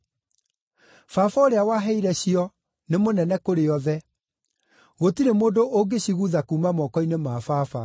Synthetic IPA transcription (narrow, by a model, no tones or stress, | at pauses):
fafaoɾeawaɦɛiɾɛɕiɔ | nemonɛnɛkoɾeɔðɛ | ɣotiɾemoːndoʔoɡeɕiɣuðakuːmamɔːkɔinemaːfafa